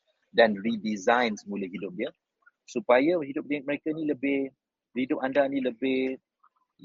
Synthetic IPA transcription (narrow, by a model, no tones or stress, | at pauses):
danridizãjnsəmuləɦidʊp̚diə | supajaɦidʊp̚diɛk̚məɾekainiləbɪh | hidʊp̚andanĩləbɪh